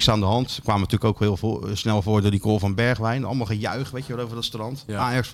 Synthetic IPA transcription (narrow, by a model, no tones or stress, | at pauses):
ksaːndəɦɑntkʋaːmənətyːləkowkɦɪlˠsnɛlˠvʊːɹdʊːɹdikoːlˠvɔnbɛɹχʋɛjnɑ̰lˠmalˠχəjœ̰ɥχʋejtjəʋɔtowvəɹdɔtstrɑntaːjɑks